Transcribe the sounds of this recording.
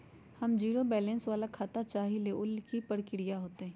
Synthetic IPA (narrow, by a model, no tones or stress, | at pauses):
hɐmd͡ʒiːɾobɛːlɛ̃nsʋaːlakʰaːt̪at͡ʃaːɦileʔʊlkipəɽkɪɽijaɦoːt̪eɦɛ̃ː